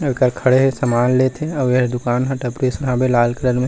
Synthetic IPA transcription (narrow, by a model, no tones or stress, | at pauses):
kəɾkʰɐɽeɦesəmaːnlet̪ʰeɔjed̪ʊkaːnɦəʈəpɾeːsʊnɦaːbelaːlkəɾəɾmẽ